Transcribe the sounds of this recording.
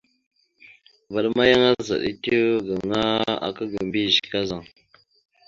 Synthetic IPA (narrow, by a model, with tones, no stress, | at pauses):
va˨ɗma˦ja˦ŋa˦za̰˨ɗḭ˦ti˦ɡə˨ŋa˦a̰˨kə˦ɡə˨mbi˦˨zka˦za˨ŋ